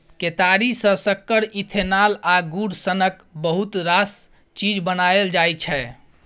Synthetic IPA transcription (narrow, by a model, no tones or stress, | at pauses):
ket̪aɾisə̃səkːəɾit̪ʰenalaɡuɽsənək | bəɦut̪ɾas | t͡ʃid͡ʒbənaeld͡ʒajt͡ʃʰɛ